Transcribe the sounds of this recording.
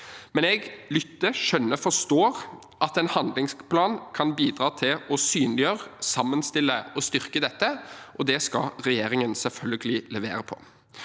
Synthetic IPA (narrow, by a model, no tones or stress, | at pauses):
mɛnɛɡlʏt̪ːəʃœnːəfɔst̪oːɾ | ʔɑt̪ɛnhɑnd̪lɪŋspʰlɑːnkʰɑnbiːd̪ɾɑːt̪ʰɪlɔsyːnlɪjøːɾsɑmːənst̪ɪlːəɔst̪ʏɾkəd̪ɛt̪ːəʔɔd̪ɛskɑ̰ɾɛjeːɾɪŋənsɛlfœlɡəlɪlɛʋeːɾəpʰɔ̥̰